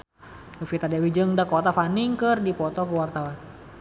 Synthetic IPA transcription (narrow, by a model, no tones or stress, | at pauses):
nufit̪adɛwid͡ʒəŋdakɔt̪afaniŋkərdipɔt̪ɔkəwart̪awan